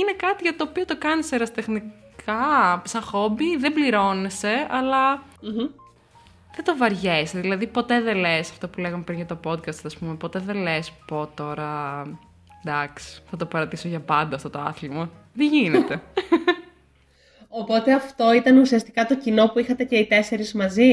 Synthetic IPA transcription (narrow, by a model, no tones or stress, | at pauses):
ine̞kɐt̪iʝɐt̪oːpio̞t̪o̞kɐniseɾɐst̪e̞xnikʰɐsɐxo̞biðebliɾo̞ne̞se̞ɐlɐ | ðed̪ovɐɾʝeseðilɐðipo̞t̪e̞ðelesɐft̪opule̞ɣɐmepɾinʝɐt̪o̞po̞d̪kɐst̪ɐspume̞po̞t̪e̞ðelespo̞t̪o̞ɾɐ | d̪ɐksi̥θɐt̪opɐɾɐt̪isoʝɐpɐnd̪ɐːft̪ot̪oɐ̰θlimɐ | ðeʝinet̪e̞ | opo̞t̪e̞ɐft̪o̞it̪ɐnusiɐst̪ikɐt̪o̞cino̞puixɐt̪e̞ce̞it̪e̞se̞ɾizmɐzi